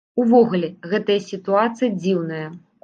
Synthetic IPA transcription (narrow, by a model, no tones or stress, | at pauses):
uvɔɣulʲɛɣɛt̪ɐjɐsʲit̪uat̪sɨjɐd͡zʲiwnɐjɐ